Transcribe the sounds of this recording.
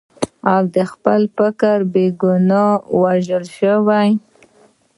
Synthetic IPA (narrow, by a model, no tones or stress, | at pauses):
awd̪əxpəlfəkaɾbeɡʊnɑwaʒəlʃəwaj